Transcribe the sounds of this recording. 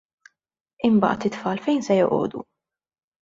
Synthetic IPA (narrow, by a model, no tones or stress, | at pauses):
ɪmbɐ̰ːʔt̪ɪt̪fɐːlfɛjnsɛjɔʔɔ̰ːd̪ṵ